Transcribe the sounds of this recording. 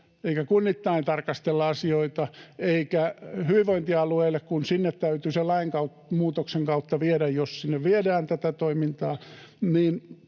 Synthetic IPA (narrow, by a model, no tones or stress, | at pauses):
eikækunːit̪ːɑint̪ɑrkɑst̪elːɑɑsioit̪ɑeikæhyʋiʋoint̪iɑlueilːekkunsinːet̪tæyt̪yselːɑiŋkɑutmuːt̪okseŋkɑut̪ːɑʋieɾæjjossinːeʋʋiedæːnt̪æt̪æt̪oimint̪ɑː | niːn